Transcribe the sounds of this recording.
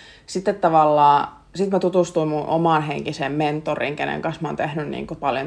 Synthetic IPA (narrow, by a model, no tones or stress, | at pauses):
sit̪ːet̪t̪ɑʋɑlːɑː | sit̪mæt̪ut̪ust̪uimmunʔo̰mɑːˑnɦeŋkisemment̪ːorḭŋkenḛŋkɑnsmɑ̰ːnt̪ehnynnḭːŋkopɑljo̰